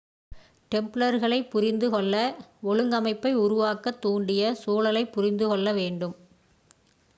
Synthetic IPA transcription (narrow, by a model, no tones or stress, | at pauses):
ʈɛmpɭɐɾɣɐɭɐɪpːʊɾɪnd̪ɯɣɔɭːɐɔɭɯŋɡɐmɐɪpːɐɪʊɾʊʋaːkːɐt̪ːuːɳɖɪjɐsuːlɐlɐɪpːʊɾɪnd̪ɯɣɔɭːɐʋeːɳɖɯm